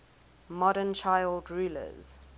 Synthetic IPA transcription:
mɔdənt͡ʃʰaɪldɹuːlə̰z̥

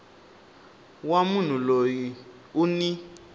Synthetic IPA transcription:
wamun̤uloji | uni

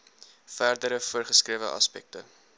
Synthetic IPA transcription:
færdəɾəfuərχəskriəvə̰ʔɐ̰spɛ̰k̚tə̰

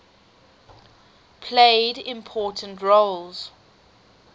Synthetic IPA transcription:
pʰleɪdɪ̃mpʰɔːˑtʰə̃ntɹoʊlz̥

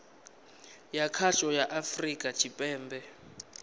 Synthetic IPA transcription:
jakʰat͡ʃʼɔjaʔafrikʼḁt͡ʃʰʼipʼɛːmbɛ

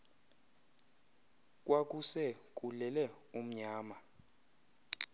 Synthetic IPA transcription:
kʼwak̬ʼusɛkʼulɛlɛ | um̩ɲaːma

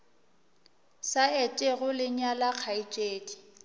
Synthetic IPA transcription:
saɛt͡ʃʼɛɣʊlɪɲalak͡xʰait͡ʃʼeːdi̥

